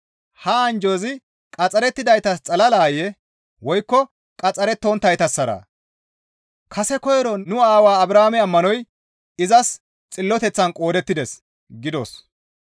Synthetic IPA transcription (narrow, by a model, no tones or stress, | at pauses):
hɐːnd͡ʒoːzɪ | kʼɐt͡sʼːɐɾɛt̪ːɪd̪ɐjt̪ɐst͡sʼɐlɐlaːjɛ | wɔjkːɔ | kʼɐt͡sʼːɐɾɛt̪ːont̪ːɐjt̪ɐsːɐɾa̰ | kʰɐsɛkɔjɛɾɔnʊaːwaːɐbɾaːmɛɐmːɐnɔj | ɪzɐs | t͡sʼɪlːɔt̪ɛt͡sːɐnkʼo̞ːd̪ɛt̪ːɪd̪ɛs | ɡɪd̪o̰s